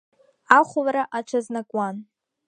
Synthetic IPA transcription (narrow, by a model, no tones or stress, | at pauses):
aχʷʊlaɾaʔaʈ͡ʂʷʰaznakʷʼwan